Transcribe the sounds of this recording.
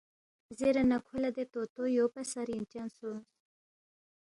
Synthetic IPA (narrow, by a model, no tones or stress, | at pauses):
zeɾanakʰulad̪et̪ot̪ojopasaɾjint͡ʃansons